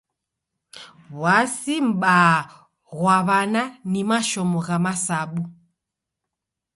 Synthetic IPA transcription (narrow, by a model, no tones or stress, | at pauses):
wasim̩ɓa | ɣwaβananimaʃɔmɔɣamasaɓu